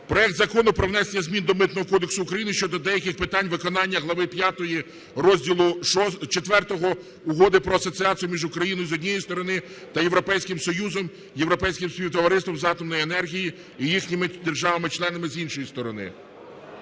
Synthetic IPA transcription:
pɾɔɛk̚t̪zɐkɔnʊpɾɔwnɛsenʲːɐzʲmʲind̪ɔmɪt̪nɔɦɔkɔd̪eksʊːkɾɐjinɪʃʲt͡ʃɔd̪ɔd̪ɛjɐkʲɪxpɪt̪ɑnʲʋɪkɔnɑnʲːɐɦlˠɐʋɪpʲjat̪ɔji | rɔzʲdʲilˠʊʃɔt͡ʃet̪ʋɛrt̪ɔɦɔ | ʊɦɔd̪ɪpɾɔɐsɔt͡sʲiɑt͡sʲijʊmʲiʒʊkɾɐjinɔjʊzɔdʲnʲijist̪ɔɾɔnɪ | t̪ɐjeʋɾɔpɛjsʲkɪmsɔjuzɔm | jewɾɔpɛjsʲkʲɪmspʲiwt̪ɔʋɐɾɪst̪ʋɔmzɑt̪ɔmnɔjienɛrɦʲiji | ijixnʲɪmɪd̪erʒɑʋɐmɪt͡ʃlˠɛnɐmɪzinʃɔjist̪ɔɾɔnɪ̰

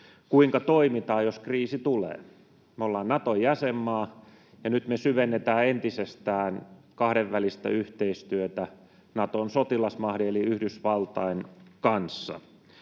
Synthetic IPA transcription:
kuiŋkɑt̪oimit̪ɑːjjoskriːsit̪ulḛː | meolːɑːnnɑt̪ojæsemːɑː | jɑnyt̪mesyʋenːet̪æːent̪isest̪æːn | kɑhɾeʋʋælist̪æ̰yht̪eist̪yøt̪æ | nɑt̪onsot̪ilɑsmɑhɾieliyhdysʋɑlt̪ɑinkɑnsːɑ̰

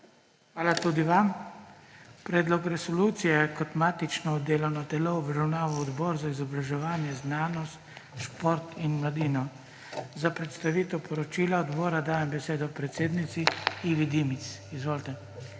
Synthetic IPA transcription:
xʋaːlat̪ud̪iʋam | pɾɛːd̪lɔkɾɛsɔluːt̪sijɛkɔt̪maːt̪it͡ʃnɔɔd̪eːlɔnɔt̪ɛlɔwʋɾawnaːʋɔɔd̪bɔːɾzaizɔbɾaʒɛʋaːnjɛznaːnɔst̪ʃpoɾt̪inmlad̪iːnɔ | zapɾɛt̪st̪aʋiːt̪ɛwpʰɔɾɔt͡ʃiːlaɔd̪bɔːɾad̪aːjɛmbɛseːd̪ɔpɾɛt̪seːd̪nit̪siiʋid̪imit̪sizʋoːlt̪ɛ

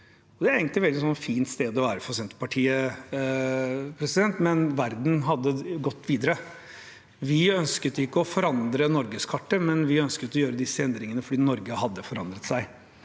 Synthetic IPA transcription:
ɔd̪ɛæɾeːɡəŋnlɪʋɛld̪ɪsɔnːfiːnt̪st̪eːd̪ɔʋæːɾəfɔsɛnt̪ə̥pɑʈʰiːə | pʰɾɛsɪd̪ɛnt̪mɛnʋæɾd̪n̩ɦɑd̪ːəɡɔt̪ːʋiːd̪əɾə | ʋɪœnskət̪ːəɪkːəɔfɔɾɑnd̪ɾənɔɾɡəskʰɑʈːəmɛnʋɪœnskət̪ːɔjøːɾəd̪ɪsəɛnd̪ɾɪŋənəfɔɖiːnɔɾɡəhɑd̪ːəfɔɾɑnd̪ɾət̪sæɪ

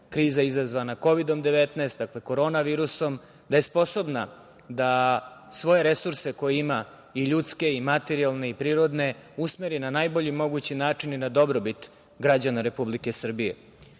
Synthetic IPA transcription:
kɾiːzaizazʋanako̞ʋid̪o̞md̪e̞ʋet̪naːst̪̚d̪akle̞ko̞ɾo̞ːnaʋiːɾuso̞m | d̪aje̞spo̞so̞bna | d̪asʋo̞je̞ɾesuɾse̞ko̞jeima | iʎut̪ske̞imat̪eɾialˠne̞ipɾiːɾo̞d̪ne̞usme̞ɾinanajbo̞ʎimo̞ɡut͡ɕinaːt͡ʂininad̪o̞bɾo̞bit̪ | ɡɾad͡ʑanaɾe̞publike̞sr̩bijḛ

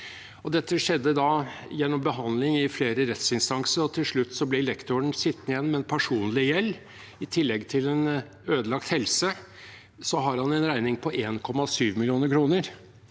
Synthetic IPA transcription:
ɔd̪ɛt̪ʰːəʂɛd̪ːəd̪ɑjɛnːɔmbəɦɑnd̪lɪŋɪfleːɾəɾɛt̪sɪnst̪ɑŋsəɾɔt̪ʰɪlʂɭʉt̪ːsɔblɛlɛkt̪ʊəɳsɪt̪ːnɪjɛnːmɛnpʰæʂuːnlɪjɛlː | ɪt̪ʰɪlːɛɡt̪ʰɪlɛn | øːd̪əlɑkt̪hɛlsə | sɔɦɑɾhɑnɛnɾæɪnɪŋpʰɔʔeːnkʰɔmːɑsyːʋmɪlɪuːnəɾkʰɾuːnəɾ

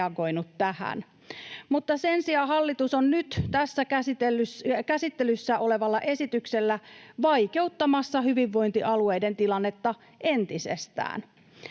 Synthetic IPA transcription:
ɑɡo̞inut̪ːæhæ̰n | mut̪ːɑsensiɑːhɑlːit̪usonnyt̪t̪æsːækæst̪elykæsit̪ːelysːæʔo̞le̞ʋɑlːɑʔe̞sit̪ykselːæʋɑjke̞ut̪ːɑmɑsːɑhyʋiʋːo̞jnt̪iʔɑlue̞jde̞nt̪ilɑnːet̪ːɑ | ʔe̞nt̪isḛst̪æ̰ːn

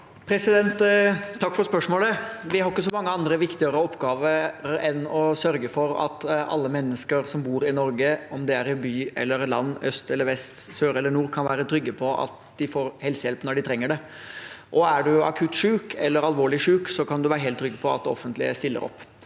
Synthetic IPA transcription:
pʰɾɛsɪd̪ɛnt̪ʰːɑkːfɔɾspœʂmoːləʋɪhɑɾɪkːəsɔmɑŋːəɑnd̪ɾəʋɪkt̪ɪəɾəɔpːɡɑːʋəɾɛnɔsœɾɡəfɔɾɑ̰t̪ɑ̰lːəmɛnːəskəɾsɔmbuːɾɪnɔɾɡəɔmd̪ɛæɾɪbyːɛ̰lːəɾlɑ̰nːœst̪ɛlːəɾʋɛst̪søːɾɛlːəɳuːɾkʰɑnʋæːɾət̪ʰɾʏɡːəpʰɔʔɑ̰t̪d̪ɪfoːɾhɛlsəjɛlpnɔɖɪt̪ʰɾɛŋːəɖɛ | ʔɔæɖʉɑ̰kʰʉt̪ːʂʉːkʰɛlːəɾɑlʋoːɭɪʂʉːksɔkʰɑnd̪ʉʋæːɾəɦeːlt̪ʰːɾʏɡːəpʰɔɑ̰t̪̚d̪ɛɔ̰fːənt̪lɪ̰ə̰st̪ɪlːə̰ɾɔ̰pː

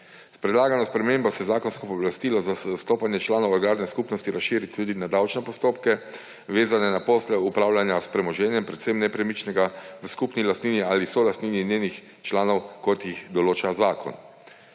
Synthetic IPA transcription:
spɾɛd̪laːɡanɔspɾɛmembɔsɛzaːkɔnskɔpɔblast̪iːlɔzasst̪oːpanjɛt͡ʃlaːnɔwɔɾɡaːɾnɛskupnɔst̪iɾasʃiːɾit̪ʰːuːd̪inad̪awt͡ʃnɛpɔst̪oːpkɛ | ʋeːzanɛnapɔːslɛupɾaːwlanjaspɾɛmɔʒɛːnjɛmpɾɛt̪semnɛpɾɛmit͡ʃnɛɡaʋəskupnilast̪niːniaːlisɔlast̪nininjeːnix | t͡ʃlaːnɔwkɔt̪jixd̪ɔloːt͡ʃazaːkʰɔ̰n

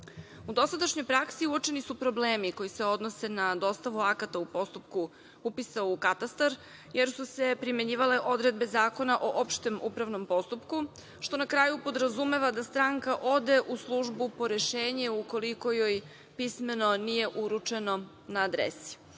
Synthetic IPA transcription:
ud̪o̞sad̪aʃɲo̞jpɾaksiuot͡ʃe̞nisupɾo̞bleːmiko̞jise̞o̞d̪no̞se̞nad̪o̞st̪aʋuakat̪aupo̞st̪upku | upisaukat̪ast̪aɾ | je̞ɾsuse̞pɾime̞ɲiːʋale̞ʔo̞d̪ɾed̪̚be̞zaːko̞naʔoʔopʃt̪emupɾaʋno̞mpo̞st̪upku | ʃt̪o̞nakɾaːjupo̞d̪ɾazume̞ʋad̪ast̪ɾaŋkaʔo̞d̪e̞ʔuslˠuʒbupo̞ɾeʃeːɲeuko̞liko̞joj | pisme̞no̞nije̞ʔuɾut͡ʂe̞no̞ | naːd̪ɾḛsi̥

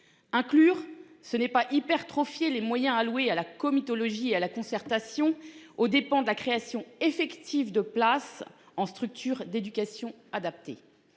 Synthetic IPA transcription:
ɛ̃klyːʁsənɛpaʔipɛʁt̪χɔfjelemwajɛ̃alwealakɔmit̪ɔlɔʒiealakɔ̃sɛʁt̪asjɔ̃od̪epɑ̃d̪əlakχeasjɔ̃efɛkt̪ʰivd̪əplas | ɑ̃st̪χyk̚t̪ʰyʁd̪ed̪ykʲasjɔ̃ | ad̪ap̚t̪ḛ

